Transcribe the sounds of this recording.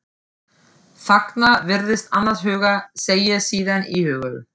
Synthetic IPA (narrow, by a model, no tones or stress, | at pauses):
faknavɪɾðɪst̪anːashʏːɣaseːjasiːðanihʏːɣʏð